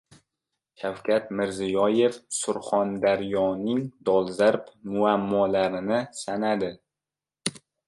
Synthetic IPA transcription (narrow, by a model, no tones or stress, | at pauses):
ʃawkʲʰat̪̚mɪɾzɪjɒje̞fsʊɾχɒnd̪aɾjɒnɪŋd̪ɒlˠzaɾpmʊamːɒlaɾɪnɪsanad̪ɪ